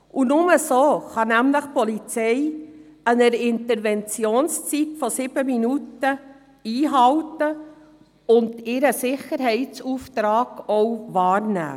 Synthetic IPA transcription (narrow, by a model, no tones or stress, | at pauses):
ʔunʊməsoːχɑnæmləχpɔlit͡sɛjənəɾɪntəɾvɛnt͡sjoːnst͡sitfɔsɪb̥əminutə | iːɦɑwtə | ʊndɪɾəsɪχəɾɦɛɪt͡suːft̪ɾɑːɡ̥ɔwʋɑːɾnæ̰ː